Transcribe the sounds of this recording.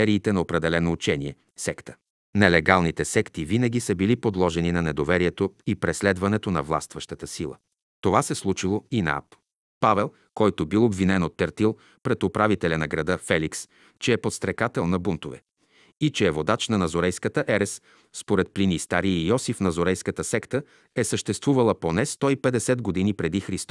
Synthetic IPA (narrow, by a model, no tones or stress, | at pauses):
ɛɾiːt̪ɛnɐopɾɛd̪ɛlɛnoːt͡ʃɛniɛ̰ | sɛkt̪ə̥ | nɛlɛɡalˠnit̪ɛsɛkt̪ivinəɡ̟ʲisəbilipod̪lˠɔʒɛninɐnɛd̪ovɛɾiɛt̪oipɾɛslɛd̪vɐnɛt̪onɐ̰vlˠa̰st̪vɐʃt̪ət̪əsilˠə̰ | t̪ovasɛslˠut͡ʃilˠoinɐ̰a̰p | pavɛlˠ | kɔjt̪obilˠobvinɛnot̪ːɛɾt̪ilˠ | pɾɛt̪opɾavit̪ɛlʲɐnɐɡɾɐd̪ɤfɛliks | t͡ʃɛːpot̪st̪ɾɛkat̪ɛlˠnɐbunt̪ovɛ̰ | it͡ʃɛːvod̪at͡ʃnɐnɐzoɾɛjskət̪əʔɛɾɛs | spoɾɛt̪̚plinist̪aɾiijɔsifnɐzoɾɛjskət̪əsɛkt̪ə | ɛsəʃt̪ɛst̪vuvɐlˠəponɛst̪ɔipɛd̪ɛsɛd̪ɡod̪inipɾɛd̪ixɾist̪